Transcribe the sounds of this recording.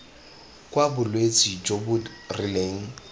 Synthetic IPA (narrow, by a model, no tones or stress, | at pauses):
kʼwabʊlwet͡sʼid͡ʒobʊdrɪleŋ̩